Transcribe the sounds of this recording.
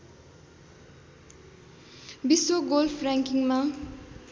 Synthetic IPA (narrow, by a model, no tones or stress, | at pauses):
bisoɡolpʰɾaŋkiŋma